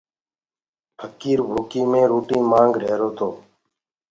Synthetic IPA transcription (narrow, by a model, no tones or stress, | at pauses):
pʰəkiːɾbʱoːkiːmẽːɾoːʈiːmãːŋɡɾeːɾoːt̪ʰoː